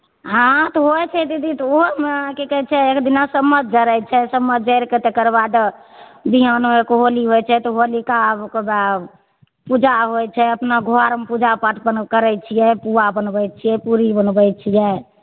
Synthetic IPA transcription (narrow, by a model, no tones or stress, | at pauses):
ɦãt̪ɔɦoɛt͡ʃʰɛt̪id̪it̪ɔoɦmekekət͡ʃʰɛekd̪inasəmːəd̪̚ʱd͡ʒəɾɛjt͡ʃʰɛsəmːəd̪̚d͡ʒəɾket̪ekəɾbad̪əbiɦanoekoɦoliɦojt͡ʃʰɛt̪ɔɦolikabkeba | pud͡ʒaɦojt͡ʃʰɛəpnaɡʱoaɾmepud͡ʒapaʈʰbənkəɾɛjt͡ʃʰijɛpuabənbəjt͡ʃʰijɛpuɾibənbəjt͡ʃʰijɛ